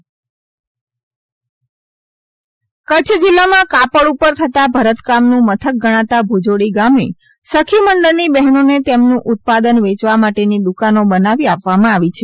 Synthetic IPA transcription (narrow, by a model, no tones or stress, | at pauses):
kət͡ʃʰd͡ʒɪlːamãkapəɽupəɾt̪ʰət̪abʱəɾət̪kamnũmət̪ʰək̚ɡəɽ̃ãt̪abʱud͡ʒoɽiɡame | səkʰiməɳɖəɾnibɛɦnonet̪emnũʔʊt̪̚pad̪ənʋet͡ʃʋamaʈenid̪ukanobənaʋiapʋamãaʋit͡ʃʰe